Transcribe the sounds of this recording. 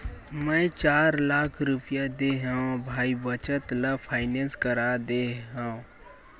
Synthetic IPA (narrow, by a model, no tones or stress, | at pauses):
mɛ̃ːt͡ʃaːɾlaːkʰɾʊpjad̪eɦaõbʱaːibət͡ʃət̪ləpʰaːɪnẽːnskəɾad̪eɦãõ